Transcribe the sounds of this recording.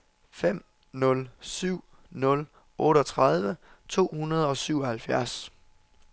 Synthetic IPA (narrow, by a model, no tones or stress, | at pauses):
fem̰ | nɔ̽lsyʊ̰ | nɔ̽l | ɔ̽ːɾɒt͡sʰʁɑð̞ˠʋə | t͡sʰo̝̰ːhunɐð̞ˠɒ̽syʊ̰ɒ̽hælfjæɐs